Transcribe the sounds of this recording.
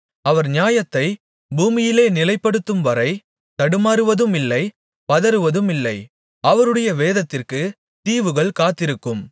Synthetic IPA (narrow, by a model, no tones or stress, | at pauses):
ɐʋɐɾɲjaːjɐt̪ːɐɪ | buːmɪjɪleːnɪlɐɪpːɐɽɯt̪ːɯmʋɐɾɐɪ | t̪ɐɽɯmaːɾɯʋɐðɯmɪlːɐɪ | pɐðɐɾɯʋɐðɯmɪlːɐɪ | ɐʋɐɾɯɽɐjɐʋeːðɐt̪ːɪrkɯ | t̪iːʋɯɣɐɭkaːt̪ːɪɾɯkːɯm